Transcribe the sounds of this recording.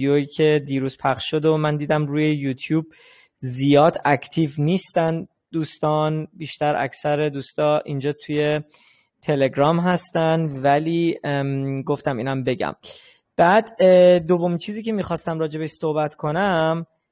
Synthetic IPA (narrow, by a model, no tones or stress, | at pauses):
ojiːcʰe̞d̪iːɾuːz̥pʰæχʃʃo̞d̪omænd̪iːd̪æmɾuːje̞jut̪ʰjuːb̚ | zijɒːd̪æct̪ʰiːvniːst̪æn | d̪̥uːst̪ɒnbiːʃt̪æɾʔæ̰cʰsæɾed̪uːst̪ɒːʔind͡ʒɒːt̪ʰuje̞ | t̪ʰe̞le̞ɡɾɒːmɦæst̪ænd̪væliː | ɡo̞ft̪æmiːnæmbe̞ɟæ̰m | b̥æːd̪̥d̪o̞vːo̞miːnt͡ʃʰiːziːcʰemiːxɒːst̪æmɾɒːd͡ʒe̞beʃso̞hbæt̪kʰo̞næm